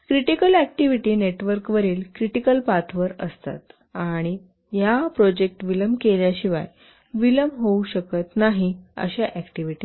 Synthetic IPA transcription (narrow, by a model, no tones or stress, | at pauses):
kɾiʈikəlæk̚ʈiʋiʈiːneʈʋəɾkʋəɾiːlkɾiʈikəlpat̪ʰʋəɾəst̪a̰t̪ | aɽ̃i | japɾod͡ʑek̚ʈʋiləmkeljaɕiʋa̰j | ʋiləmɦouɕəkət̪naɦiə̰ɕaʔækʈiʋiʈi